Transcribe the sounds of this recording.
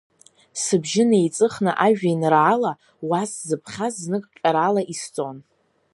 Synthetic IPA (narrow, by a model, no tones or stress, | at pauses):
sɨbʒɪneejt͡sʼɨχnɨʔaʒᶣajnraːla | waszɨpʰχʲaznɨkʼt͡ʃʲʼaɾalaʔist͡sʼon